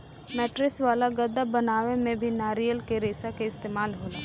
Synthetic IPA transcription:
mɛːʈɾɪsʋaːlaɡɐd̪ːəbɐnaːʋemẽbʱinaːɾijəlkeɾeːsakeɪst̪eːmaːlɦoːlaː

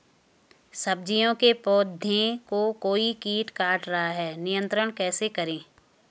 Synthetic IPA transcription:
sɐbd͡ʒijõkepɔːd̪ʱjẽkokoːikiːʈkaːʈɾɐɦaɦɛːnɪjə̃nt̪ɾəɽ̃kɛːsekɐɾẽː

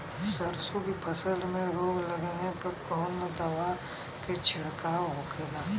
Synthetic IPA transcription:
səɾsokipʰɐsəlmẽɾoːɡləɡnepɐɾkɔːnd̪ɐʋa | ket͡ʃʰɪɽkaːwɦoɡeːɡaː

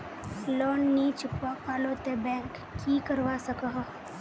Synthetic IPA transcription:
lɔːnːiːt͡ʃɪpːakaːlõt̪ebɛ̃ːŋkː | iːkəɾʋasəkaɦ

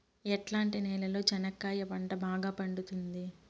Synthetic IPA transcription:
ɛʈlaːɳʈinɛːlɐlo̞ːt͡ʃɐnɐkːaːjɐpɐɳʈɐbaːɡaːpɐɳɖut̪und̪i

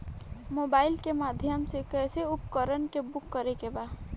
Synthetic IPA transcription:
moːbaːɪlkemaːd̪ʱjəmsekɛːseʊpkəɾənkebʊkːəɾekebaː

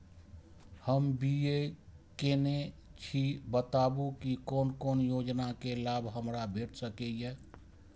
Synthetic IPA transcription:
həmbiekenet͡ʃʰibət̪abukikonkonjod͡ʒnakelabʱɦəmɾabʱeʈʰsəkɛje

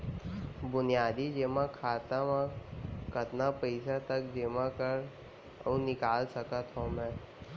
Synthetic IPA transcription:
bʊnijaːd̪id͡ʒeːmãkʰaːt̪əmãkɐt̪napɛɪsat̪əkd͡ʒeːmãkəɾ̰ | ũnɪkaːlsɐkət̪ɦõmɛ̃ː

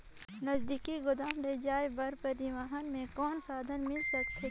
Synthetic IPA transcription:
lɐzd̪ikiɡʊd̪aːmɾed͡ʒaːebɐɾpəɾɪwaːɦənmẽkɔːnsaːd̪ʱənmɪlsəkt̪ʰe

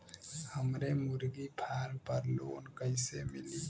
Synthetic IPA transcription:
həmɾemʊɾɡipʰaːɾpəɾlo̰ːnkəɪsemɪliː

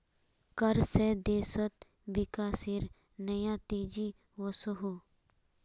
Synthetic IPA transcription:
kɐɾsed̪eːsət̪̚ | bɪkaːsiɾ | nɐjãt̪eːd͡ʒi | ʋəsəɦoː

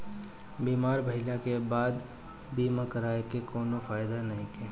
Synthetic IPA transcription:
biːmaːɾbʱɐɦɪlakebaːd̪ | biːmakɐɾaːekekoːnofaːɪd̪anɐɦĩkɛ

